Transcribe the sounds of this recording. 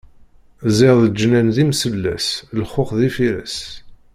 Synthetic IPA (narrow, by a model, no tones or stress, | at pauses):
zɪɾðəd͡ʒːnænðimsəlːæ̰slχoχðifiɾæ̰s